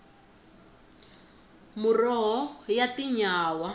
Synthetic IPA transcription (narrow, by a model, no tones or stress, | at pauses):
murɔɦɔjatiɲaːwa